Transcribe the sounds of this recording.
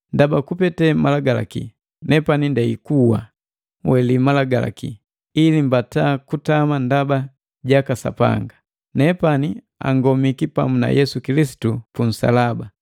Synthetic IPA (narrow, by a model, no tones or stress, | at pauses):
ndabakupɛtɛmalaɡala̰kḭ | nɛpanindɛikuwa̰ | wɛlimalaɡala̰kḭ | ilimbataːkutamandaba | ɟakasa̰pa̰ŋɡa | nɛpani | a̰ŋɡɔmikipamuna̰jɛsukilisi̥tupun̩sa̰laba